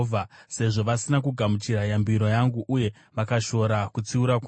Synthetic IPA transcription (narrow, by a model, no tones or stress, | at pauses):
vʱase̞ʐo̞ʋasinakuɡʱamut͡ʃiɾajambiɾo̞jaŋɡuʔuje̞ | ʋakaʃo̞ɾakut͡siuɾak